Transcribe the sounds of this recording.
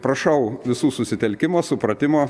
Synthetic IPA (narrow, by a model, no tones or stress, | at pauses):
pɾɐʃɐʊʋʲɪsuːsʊsʲɪt̪ʲɛlʲkʲɪmoːsʊpɾɐt̪ʲɪmoː